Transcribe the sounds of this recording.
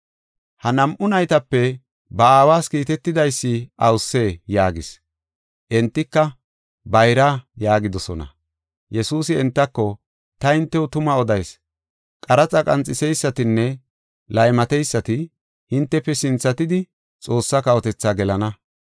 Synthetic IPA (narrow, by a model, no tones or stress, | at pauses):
hɐnɐmʔʊnɐjt̪ɐpːɛ | bɐaːwaːskiːt̪ɛt̪ːɪd̪ɐjsːɪʔɐwʊsːe̞ːjaːɡɪs | ʔɛnt̪ːɪkːɐ | bɐjɾaːjaːɡɪd̪ɔsɔ̰nɐ̰ | jɛsuːsɪɛnt̪ːɐkːɔ | t̪ɐhɪnt̪ːɛwʊt̪ʊmɐɔd̪ɐjs | kʼɐɾɐt͡sʼɐkʼɐnt͡sʼːɪsɛjsːɐt̪ɪnːɛ | lɐjmɐt̪ɛjsːɐt̪ɪ | hɪnt̪ːɛpːɛsɪnt͡sːɐt̪ɪd̪ɪ | t͡sʼo̞ːsːɐkɐwɔt̪ɛt͡sːaːɡɛlɐnɐ